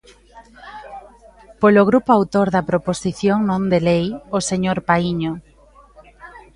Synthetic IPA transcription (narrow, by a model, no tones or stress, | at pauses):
poloɣ̞ɾupoawt̪oɾðɐpɾoposiθjoŋnõnd̪elejoseɲoɾpaiɲo